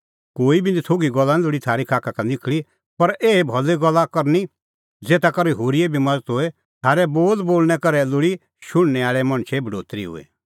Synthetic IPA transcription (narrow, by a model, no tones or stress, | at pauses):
koːibʱĩnd̪it̪ʰoɡiɡɔlːalʊɽit̪ʰaːɾikʰaːkakanɪkʰɭi | pɐɾʔeːebʱɔlːeɡɔlːakɐɾni | d͡zeːt̪akɐɾiɦoːɾiɛbʱimɐd͡zət̪ɦoɛ | t̪ʰaːɾɛboːd̪boːlnɛkɐɾɛlʊɽi | ʃʊɽ̃nɛaːɭɛmɐ̃ɽ̃t͡ʃʰɛbʱɐɖoːt̪ɾḭɦʊ̰ḛ